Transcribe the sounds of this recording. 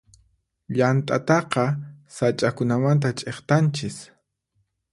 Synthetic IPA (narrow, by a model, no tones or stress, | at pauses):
ʎant̪ʼat̪ɑqɑsat͡ʃʼakʊnamant̪at͡ʃʼeχt̪ant͡ʃɪs